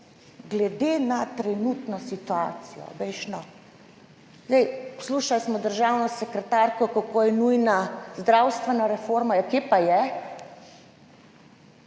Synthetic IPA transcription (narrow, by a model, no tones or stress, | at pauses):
ɡlɛd̪eːnat̪ɾɛnut̪nɔsit̪uaːt̪sijɔ̰bɛjʃnɔ | zɛjpsluːʃalsmɔd̪əɾʒawnɔsɛkɾɛt̪aɾkɔkokoːjɛnujnazd̪ɾawst̪ʋɛnaɾɛfoɾmajɛkepajɛ